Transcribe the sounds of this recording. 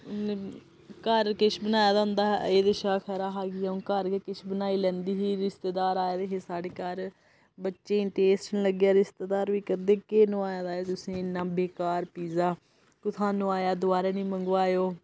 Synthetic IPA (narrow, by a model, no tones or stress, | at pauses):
kəɾkɪʃbənaːjaːd̪aːɦʊ̃nd̪aːeːd̪eʃaːkʰɛːɾaːɦaːɡijãːkəɾkekɪʃʰbənaːiːlɛ̃ːnd̪iːɦiːɾɪst̪eːd̪aːɾaːjaːd̪eːɦeːsaːɽeːkaɾ | bətːʃẽːʈeːsʈnləɡjaːɾɪst̪eːd̪aːɾʋiːkəɾd̪eːkeːnũːaːjaːd̪aːt̪ʊsĩːɪnːãːbeːkaːɾpiːzaː | kʊt̪ʰaːnũːaːjaːd̪ʊaːɾeːnĩːməŋɡʋaːjoː